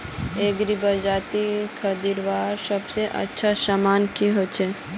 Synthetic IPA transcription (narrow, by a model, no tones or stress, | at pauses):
eːɡɾibad͡ʒaːt̪ikʰəd̪iɾʋaːɾsəbseʔə̰tːʃʰasamaːnkiɦoːt͡ʃʰe